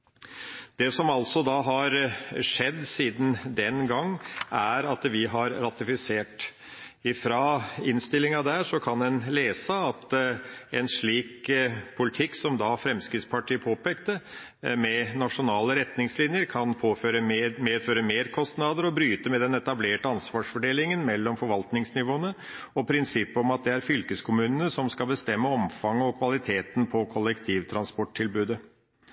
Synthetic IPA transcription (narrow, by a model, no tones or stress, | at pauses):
d̪̥ɛsɔmɑlsɔd̪ɑːɦɑɾʂɛd̪ːsiːd̪n̩d̪ɛnɡɑŋːæɾɑt̪ʋɪɦɑɾɾɑt̪ɪfɪseːʈ | ɪfɾɑɪnst̪ɪlɪŋɑd̪æʂɔkʰɑnɛnleːsəɑt̪ɛnʂɭiːkpʰʊlɪt̪ʰɪksɔmd̪ɑfɾɛmskɾɪt̪spɑʈʰiːəpʰoːpeːkt̪ə | mɛnɑʂʊnɑːləɾɛt̪nɪŋslɪnjəɾkʰɑnpʰoːføːɾəmmeːføːɾəmeːɾkʰɔst̪nɑd̪əɾɔbɾyːt̪əmɛd̪ɛnɛt̪ɑbleːʈəɑnsʋɑːʂfɔɖeːlɪŋənmɛlːɔmfɔɾʋɑlt̪nɪŋsnɪʋoːənə | ɔpʰɾɪnsɪpːɔmɑt̪̚d̪ɛæɾfʏlkəskʰʊmʉːnənəsɔmskɑbəst̪ɛmːəɔmfɑŋːəɔkʰʋɑlɪt̪ʰeːt̪n̩pʰɔkʰɔlɛkt̪ʰiːʋt̪ʰɾɑnspɔʈʰːɪlbʉːd̪ə